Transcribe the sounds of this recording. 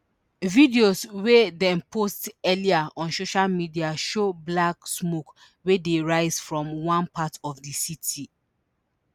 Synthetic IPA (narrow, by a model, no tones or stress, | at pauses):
vidioswedɛ̃mpʰostɛliaɔ̃nsoʃalmidiaʃoblaksmok | wedeɹaɪz̥fɹɔ̃mwãnpʰatɔfdisitʰi